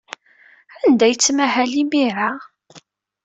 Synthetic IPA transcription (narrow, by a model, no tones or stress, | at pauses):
ænd̪æjət͡sːmæhælimiɾa